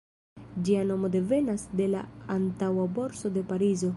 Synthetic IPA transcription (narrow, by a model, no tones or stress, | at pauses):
d͡ʒiano̞mo̞de̞ve̞nasde̞la̰ːntawabo̞ɾso̞de̞paɾizo̞